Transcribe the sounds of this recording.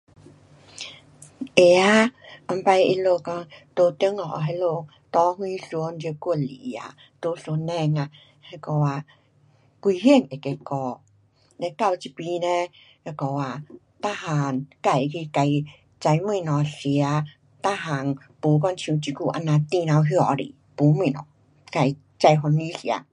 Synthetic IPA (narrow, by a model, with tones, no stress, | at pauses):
ʔe˨a˧˦ʔɔ˧mpa˧je˧lo˧kɔ˧ŋt̪o˧t̪i˧˦ŋɔ̰˨ɦe˧˦lo˧ | t̪ɔ˧˦hwĩ˦ɬu˧˦nd͡ʒku˧˨li˨a̰˨ | t̪o˧˦so˧nɛ˧ŋa˧˨ | he˧kɔ˧wa˨ | kwi˧ɦi˧˥˧ŋe˨ke˧kɔ˧ | nɛ˧˦ka˧wt͡ɕi˧pi˧nɛ˧ | he˧kɔ˧wa˧ | t̪a˦˧ha˧˨nka˧˩˨jki˧ka˧j | t͡ɕa˧jmĩ˧˨nɔ˨˩si˨a˧˦ | t̪a˦ɦa˧˨ŋ | pu˨˦k̬ɔ˧˨nt͡ɕʰŋt͡ɕi˧ku˧ʔa˧na˧t̪i˧˨nã˧wɦjɔ˧˨ɾḭ˨ | pu˨˦mĩ˧˨nɔ̰˨ | ka˧˩j | t͡ɕa˧jɦɔ˧nĩ˧˦si˨a̰˧